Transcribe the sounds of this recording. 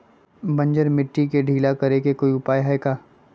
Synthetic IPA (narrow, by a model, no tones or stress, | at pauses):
bɐ̃ɲd͡ʒəɾmɪʈːikeɖʱiːlakɐɾekekoːiʊpaːjɦɛːkaː